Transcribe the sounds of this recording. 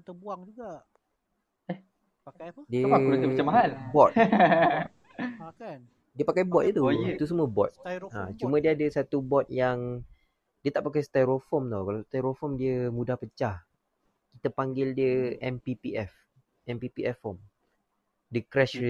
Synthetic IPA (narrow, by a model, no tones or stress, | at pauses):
t̪əbaŋuɡa | ɛ | diəat͡ʃamaɦalbɔt̪̚ | diəpakajbɔt̪̚it̪uit̪usəmuəbɔt̪̚ãt͡ʃumə̃diəadəsat̪ubɔt̪̚jaŋ | diət̪aʔpakajst̪aɾofɔmt̪ɔwkalast̪ajɾofɔmdiəmudahpət͡ʃah | kit̪apaŋɡɪldiəʔɛmpipiɛf | ʔɛmpipiɛfhɔm | dəkɾɛʃ